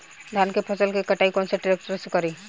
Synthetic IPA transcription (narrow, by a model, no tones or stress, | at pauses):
d̪ʱaːnkepʰəsəlkekɐʈaːikɔːnseʈɪɾeːk̚ʈəɾsekɐɾiː